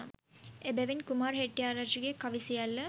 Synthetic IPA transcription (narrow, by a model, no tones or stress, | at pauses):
ebæʋinkumaːɾɦeʈːijaːɾat͡ʃiɡekɐʋisijalːə